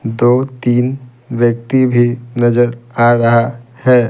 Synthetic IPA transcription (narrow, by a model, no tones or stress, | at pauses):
d̪oːt̪iːn | ʋjək̚t̪ibʱinəd͡ʒəɾaɾɐɦahɛ